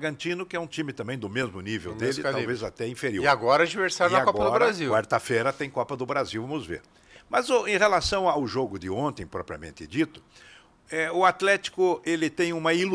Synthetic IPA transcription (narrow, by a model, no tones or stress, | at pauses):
ɡɐ̃nt͡ʃ̪ĩnʊkɪɛũt͡ʃĩmɪt̪ɐ̃mbẽj̃d̪ʊmezmʊnivḛwd̪elɪwvezat̪ɛĩfeɾioiaɡɔɾɐd͡ʒiveɾsaɾd̪ɐaɡkɔɡpɔɐd̪ʊɾɾazikwaɾt̪ɐfejɾɐt̪ẽj̃kɔpɐd̪ʊbɾaziwvɐ̃mʊzvḛɾ | mɐzʊẽj̃helasɐ̃w̃awʒoɡʊd̪ɪõnt̪ẽj̃pɾɔpɾiɐ̰mẽnt̪ɪd͡ʒit̪ʊ̥ | ɛʊat̪lɛt͡ʃi̥kʊelɪt̪ẽj̃ũmɐil